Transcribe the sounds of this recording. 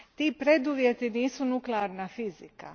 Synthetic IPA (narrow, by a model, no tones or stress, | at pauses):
t̪iːpɾe̞d̪uʋjet̪iniːsunukleaɾnafizika̰